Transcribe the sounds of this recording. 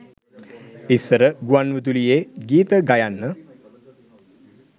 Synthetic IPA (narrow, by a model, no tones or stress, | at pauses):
isəɾəɡuanʋut̪̬ulijeːɡiːt̪əɡajanːə